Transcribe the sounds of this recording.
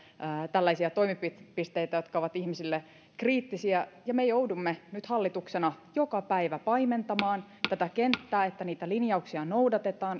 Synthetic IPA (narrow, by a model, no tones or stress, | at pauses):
t̪ælːæisiæt̪o̞imipitpist̪eit̪æjo̞t̪kɑoʋɑt̪ihmisilːe | kriːt̪ːisiæjɑmejoudumːenyt̪hɑlːit̪uksenɑjokɑpæiʋæpɑiment̪ɑmɑːn | t̪æt̪ækent̪ːæːet̪ːæniːt̪ælinjɑuksiɑnoudɑt̪et̪ɑːn